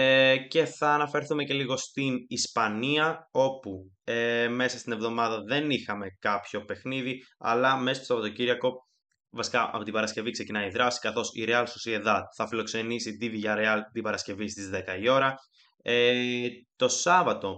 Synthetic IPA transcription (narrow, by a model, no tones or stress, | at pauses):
ce̞θɐːnɐfe̞ɾθume̞ce̞liɣo̞st̪inispɐniɐo̞pu | eme̞sɐst̪inevðo̞mɐðɐðe̞nixɐme̞kɐpço̞pe̞xniðiɐ̰lɐme̞st̪osɐvɐt̪ociɾɐko̞ | vɐsi̥kɐʔɐ̰pot̪ibɐɾɐsce̞vikse̞cinɐiðɾɐsi̥kɐθo̞sḭɾeɐlsosieðɐθɐfilo̞kse̞nisid̪ivʝɐɾeɐlt̪ibɐɾɐsce̞vist̪izðe̞kɐio̞ɾɐ | e | t̪o̞sɐvɐt̪o̞